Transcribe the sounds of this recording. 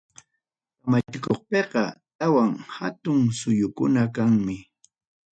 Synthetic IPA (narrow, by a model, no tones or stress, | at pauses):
kamat͡ʃɪkoχpeqɑt̪awaŋhat̪ʊŋsʊjʊkʊnakaŋmɪ